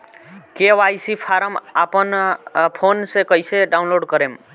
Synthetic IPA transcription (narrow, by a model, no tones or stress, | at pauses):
kewajsipʰaɾəmapənpʰonsẽkʌjseɖawnloɖkʌɾem